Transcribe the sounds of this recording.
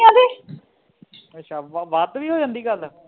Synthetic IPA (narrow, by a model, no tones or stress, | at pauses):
ãːd̪eː | ətːʃʰaːʋʋaːt̪ʋiːɦoːd͡ʒãːnd̪iːɡəl